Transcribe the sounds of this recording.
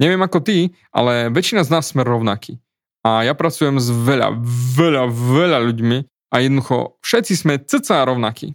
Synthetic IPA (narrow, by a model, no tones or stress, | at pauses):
ɲɛʋɪɛmakɔt̪i | ʔa̰lɛʋɛt͡ʃinaznaːsːmɛɾɔʊnakḭː | ajapɾat͡sujɛmzʋɛʎa̰vɛʎaʋɛʎaʎuɟmi | ʔajɛd̪nɔd̪uxɔ̰fʃɛt̪t͡sismɛt͡sət̪t͡saɾɔʊnakḭː